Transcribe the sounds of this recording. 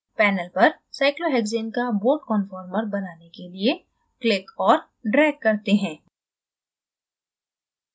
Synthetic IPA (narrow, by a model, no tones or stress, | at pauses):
pɛːnəlpɐɾ | saːɪkloɦɛːɡzeːnkaboːʈkɔnfɔːɾməɾbɐnaːnekelie | klɪkɔːɾ | ɖɾɛːkːɐɾt̪eɦɛ̃ː